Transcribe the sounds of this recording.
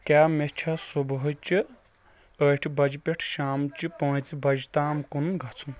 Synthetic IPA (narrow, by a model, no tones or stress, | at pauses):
kʲaːmet͡ʃʰasubɦot͡ʃi | əʈʰibɐd͡ʒipeʈʰʃaːmt͡ʃipõːt͡sibɐd͡ʒit̪aːmkunɡʱɐt͡sʰun